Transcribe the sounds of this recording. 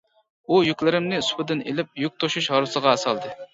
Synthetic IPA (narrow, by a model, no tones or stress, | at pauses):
ujykʲlɪɾɪmnɪsʊ̥pɨd̪ɪnḛlɪp̚juk̚ʲt̪ʰoʃuʃhɑɾɨsəʁɑːsɑlˠd̪ɨ